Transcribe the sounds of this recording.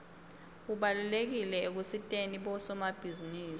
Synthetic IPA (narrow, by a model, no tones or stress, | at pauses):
kuɓalulek̬ilɛek̬usitʼeniɓɔsɔmab̥ʱiziniːsi